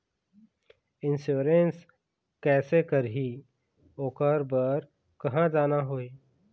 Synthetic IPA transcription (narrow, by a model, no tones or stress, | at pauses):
ɪnsjuːɾens | kɛːsekəɾɦi | oːkəɾbəɾ | kɐɦãd͡ʒaːnaɦoːi